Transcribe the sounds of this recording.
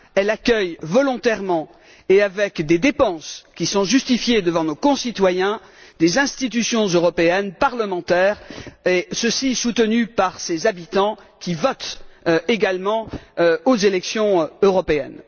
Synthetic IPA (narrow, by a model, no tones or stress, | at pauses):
ɛlakʲœjvɔlɔ̃t̪ɛʁmɑ̃ | eavɛkd̪ed̪epɑ̃skʲisɔ̃ʒyst̪ifjed̪əvɑ̃nokɔ̃sit̪wajɛ̃ | d̪ezɛ̃st̪it̪̬ysjɔ̃zøʁɔpeɛnpaʁləmɑ̃t̪ɛːʁesəsisut̪ənypaʁsezabit̪ɑ̃ | kʲivɔt̪eɡalmɑ̃ozelɛksjɔ̃øʁɔpeɛ̰n